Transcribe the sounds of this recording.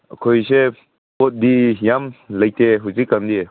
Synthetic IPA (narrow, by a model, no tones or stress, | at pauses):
ʔəkʰojse | pɔt̚dijamləjteɦuzikːandi